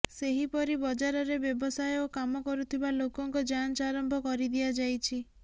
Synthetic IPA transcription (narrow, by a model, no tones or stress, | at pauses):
seɦipɔɾibɔd͡ʒaɾɔɾebjɔbɔsajokamɔkɔɾut̪ʰibalokɔŋkɔd͡ʒant͡ʃɔaɾɔmbʱɔkɔɾid̪iad͡ʒajt͡ʃʰi